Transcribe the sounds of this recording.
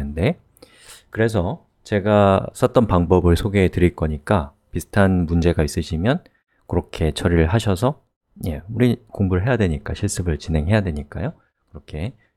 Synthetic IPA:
ɯnde̞ | kɯɾe̞s̬ʰʌ | t͡ɕe̞ɡas͈ʌt͈ʌnpaŋbʌbɯɭsʰoɡetɯɾiɭk͈ʌɲik͈a | pisʰɯ̥tʰanmund͡ʑe̞ɡais͈ɯɕʰimjʌn | kɯɾʌkʰe̞t͡ɕʰʌɾiɾɯɭɦaɕʰʌsʰʌ | je̞uɾikoŋbuɾɯɭɦe̞jadwe̞ɲik͈aɕʰiɭs͈ɯbɯɭt͡ɕinɦe̞ŋɦe̞jadwe̞ɲik͈ajo | kɯɾʌkʰe̞

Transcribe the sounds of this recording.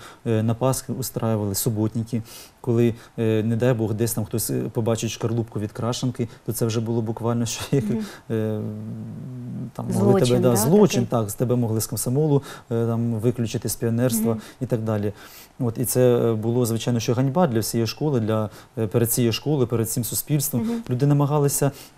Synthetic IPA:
nɐpɑsxɪʊst̪ɾʔɑjɪʋɐlˠɪsʊbɔtʲnʲikʲikɔlˠɪned̪ɑjbɔɣd̪ɛsʲt̪ɑmxt̪ɔsʲpɔbɑt͡ʃɪt͡ʃʲʃkɐrlˠupkʊʋʲid̪kɾɑʃenkɪt̪ɔt̪sɛwʒɛbʊlˠɔbʊkʋɑlʲnɔʃt͡ʃɔix | t̪ɑ̰mmɔɦlˠɪt̪bɛd̪ɑzlˠɔt͡ʃɪnt̪ɑkst̪ebɛmɔɦlˠɪskɐmsɐmɔlˠʊt̪ɑmʋɪklʲʊt͡ʃɪt̪ɪsʲpʲiɔnɛrst̪ʋɐit̪ɑɡ̚d̪ɑlʲi | ot̪it̪sɛbʊlˠɔzʋɪt͡ʃɑjnɔʃt͡ʃɔɦɐnʲbɑd̪lʲɐwsʲijɛʃkɔlˠɪd̪lʲɐ | peɾed̪t͡sʲijɛʃkɔlˠɪpeɾed̪̚t͡sʲɪmsʊsʲpʲilʲst̪ʋɔmlʲud̪ɪnɐmɐɦɑlˠɪsʲɐ

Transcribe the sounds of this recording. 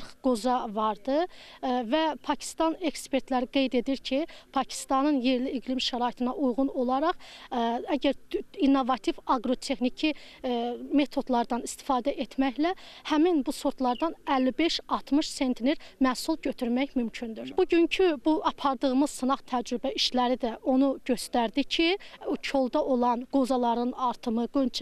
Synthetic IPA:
ɾχɡ̥ozɑvɑɾd̪ɯvæpʰɑcʰi̥st̪ɑne̞kspʰe̞ɾt̪ʰlæɾiɡe̞jd̪e̞d̪iɾcʰipʰɑcʰi̥st̪ɑnɯnjeɾliːɡlimʃæɾɑːit̪ʰɯnɑʔujʁuno̞lˠɑɾɑχ | æɟæɾinːovɑt̪ʰivɑɡɾo̞t̪ʰe̞xnicʰi | me̞t̪ʰo̞d̪lˠɑɾd̪ɑnist̪ʰi̥fɑːd̪æʔet̪ʰmæçlæhæminbuso̞ɾt̪ʰlˠɑɾd̪ɑnælːibe̞ʃɑt̪ʰmɯʃse̞nt̪ʰineɾmæːsulˠɟø̞t̪ʰyɾmæçmymcʰynd̪yɾb̥uɟyncʰybuɑpʰɑɾd̪ɯʁɯmɯzsɯnɑχt̪ʰæd͡ʒɾybæiʃlæɾid̪æo̞nuɟø̞st̪æɾd̪icʰit͡ʃʰo̞lˠd̪ɑʔo̞lˠɑnɡ̥o̞zɑlˠɑɾɯnɑɾt̪ʰɯmɯɡønt͡ʃʰ

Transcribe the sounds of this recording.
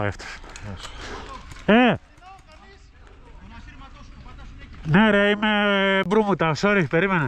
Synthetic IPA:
eft̪e̥s | e | neɾeimebɾumut̪ɐsoɾipeɾimene

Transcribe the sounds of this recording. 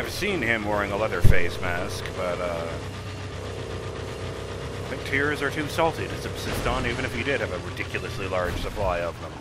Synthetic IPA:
ɨv̥sĩnɪ̃mwɛɹɪ̃ŋəlɛðə˞feɪsmæskb̥ʌɾʌ | ɪθɪ̃ŋk̚tʰɪɹzə˞tʰʉsɔlˠtiɾɨsɨb̥sɪstn̩ivɨ̃ñɨfɨdɨd̚ɨvɨɹɨdɪkʰjl̩ˠəslilɑɹd̥ʒ̥sɨpʰl̥aɪʌvðə̃m

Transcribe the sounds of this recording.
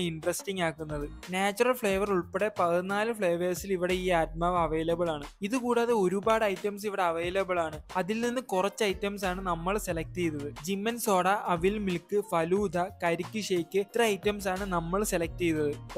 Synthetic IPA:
iɳɖrɐsʈiŋɡaːkːunːɐðɨ | naːt͡ɕːurɐlfɭe̞ːʋɐruɭpeɽe̞pɐðinːaːlɨfɭeːʋeːsiliʋiɽe̞iːaːt̚maʋɐʋejlɐbɐɭaːɳɨiðɨkuːɽaːðeo̞ɾubaːɽɐjtːɐms̬iʋiɽe̞ɐʋɐjlɐbɐɭaːɳɨɐðilninːɨkurɐt͡ɕːɐjtːɐms̬aːɳɨnɐmːɐɭse̞lɐk̚tijnːɐðɨd͡ʑimːɐnso̞ːɽɐʔɐʋilmilkːɨfɐluːd̪ʱɐkɐɾikʲːɨʂeːkːɨt̪rɐɐjtːɐms̬aːɳɨnɐmːɐɭse̞lɐk̚tijnːɐðɨ

